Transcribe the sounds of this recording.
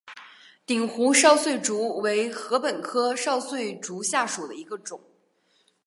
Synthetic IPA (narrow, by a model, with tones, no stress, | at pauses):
t̪i˨˩ŋxu˧˥ʂɑ˥˧ʊswe˥˩ɪʈ͡ʂu˧˥we˧˥ɪxɤ˧˥pə˨˩nkʰɤ˥ʂɑ˥˧ʊswe˥˩ɪʈ͡ʂu˧˥ɕja˥˩ʂu˨˩d̪ə̰˦i˧˥ɡə˧ʈ͡ʂʊ˨˩˦ŋ